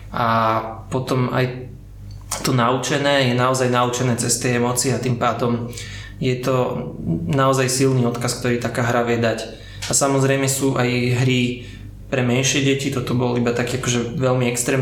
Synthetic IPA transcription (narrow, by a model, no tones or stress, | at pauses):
ʔapɔt̪ɔma̰j | t̪ɔnaut͡ʃɛnɛːjɛnaɔzajnaut͡ʃɛnɛːt͡sɛst̪ɛjɛmɔt͡sɪat̪impaːd̪ɔm | jɛt̪ɔ | naɔzajsilniːɔt̪kask̚t̪ɔɾiːt̪akaːɦɾaʋɪɛd̪ac | asamɔzɾɛjmɛsuːʔajɦɾi | pɾɛmɛnʃɪɛɟɛcit̪ɔt̪ɔbɔlibat̪akiːakɔʒɛʋɛlmiɛkst̪ɾɛːm